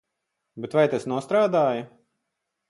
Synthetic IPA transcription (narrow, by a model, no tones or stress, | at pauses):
bet̪vajt̪asnuɔst̪ɾaːd̪aːju